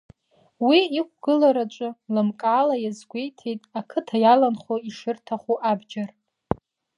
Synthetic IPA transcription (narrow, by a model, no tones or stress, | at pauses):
wiːqʷʰʼɡɨlaɾat͡ʃʷʼʊlɨmkʼaːlajazɡʷejtʰejtʼakʰɨtʰajalanχoiʂɨrtʰaχʷuʔabd͡ʒar